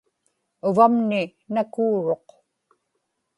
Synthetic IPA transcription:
ʊvamnɪnakuːɻo̞q

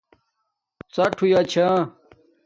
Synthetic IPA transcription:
t͡sɐʈʰujaːt͡ɕʰã

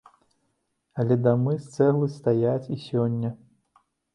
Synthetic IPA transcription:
ɐlʲɛd̪amɨst̪sɛɣlˠɨst̪ajat͡sʲisʲɔnʲːɐ

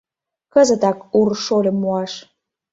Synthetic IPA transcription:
kəzə̆t̪ɑkurʃolʲə̆mːuɑʃ

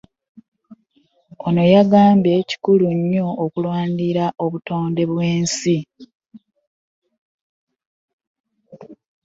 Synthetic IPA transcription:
ono̞jaɡaːmbe̞ci̥kuluɲːo̞ːkulwaːndiɾaʔo̞βuto̞ːnde̞βwe̞ːnsi

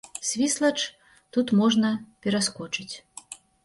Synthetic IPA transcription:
sʲvʲislˠɐt͡ʂ | t̪ut̪mɔʐnɐpʲɛɾaskɔt͡ʂɨt͡sʲ

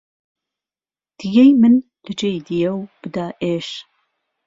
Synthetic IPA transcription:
d̪̥ɨjɛjmɨn | lɨd͡ʒejd̪ijɛwb̥ɨd̪aːʔeːʃ

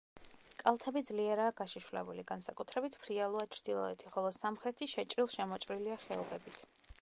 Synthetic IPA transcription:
kʼalˠt̪ʰɛbid̪zliɛɾaːɡaʃiʃvlɛ̰buliɡansakʼut̪ʰɾɛbit̪ʰpʰɾialˠuat͡ʃʰɾd̪̥ilˠɔ̰ɛt̪ʰiχɔlˠɔsamχɾɛt̪ʰiʃɛt͡ʃʼɾilˠʃɛmɔt͡ʃʼɾiliaχɛɔbɛbit̪ʰ

